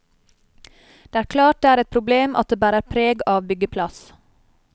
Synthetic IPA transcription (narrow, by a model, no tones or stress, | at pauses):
d̪̥eːæːɾkʰlɑːʈ̚d̪eːæːɾɛt̪̚pʰɾʊbleːmʔɑt̪̚d̪eːbæːɾəæːɾpʰɾeːɡɑːʋbʏɡəpʰlɑs